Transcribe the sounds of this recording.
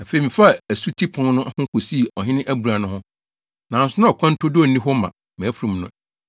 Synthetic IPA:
a˨fe˨i˨mĩ˨fa˦˨æ˨su˦tʰi˦pʰʊ̃˨ŋnʊ̃˦hʊ̃˦kʰo˨si˦˨ɔ˨ɦɪ̃˦nɪ̃˦ʔæ˦bu˨ɾa˨nʊ̃˦hʊ̃˦ | nã˨n˨˦sʊ˦nʊ̃˦ɔ˨kʷʰɔ̃˦n̩˦tʰʊ˦dʊ˦ɔ˨˦nĩ˦ɦɔ˦mã̰˨ | mɛ̃˨æ˦fu˨ɾũ˨m˦nʊ̃˦˨

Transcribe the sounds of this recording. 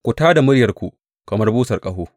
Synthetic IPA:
kʷʊ˨taː˦da˨mʊ˦ɽjɐ˨rkʷu˨ | kɐ˨mɐ˦rbuː˦sɐ˨rkʼɐ˦˨ɦoː˦

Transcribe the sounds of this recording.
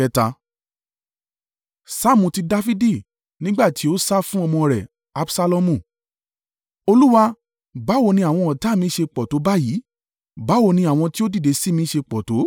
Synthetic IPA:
ɛ˦ta˧ | sa˦˨mũ˨ti˧da˧fi˦di˦˨ | nĩ˦ɡ͡ba˦˨ti˨˦o˦sa˦fũ˦ɔ˧mɔ̃˧ɾɛ˨ | a˨˦bsa˧lɔ˧mũ˨ | o˧lu˦wa˧ | ba˨˦wo˦˧˨nĩ˧a˨w̃ɔ̃˧ɔ˨ta˨˦˨mĩ˧˦ʃe˧k͡pɔ˨to˨˦ba˦jiː˨˦ | ba˨˦wo˦˧˨nĩ˧a˨w̃ɔ̃˧ti˦o˦di˦˨de˨˧si˦mĩ˧˦ʃe˧k͡pɔ˨to˨˦

